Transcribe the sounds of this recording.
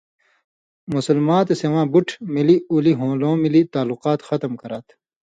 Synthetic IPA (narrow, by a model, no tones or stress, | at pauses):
musɐlmãːt̪esewãːbuʈʰmiliuliɦõːlõːmilit̪aːluqaːt̪xɐt̪mkɐɾɐt̪